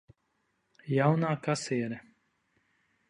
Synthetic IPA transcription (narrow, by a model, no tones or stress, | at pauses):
jawnaːkasiɛɾɛ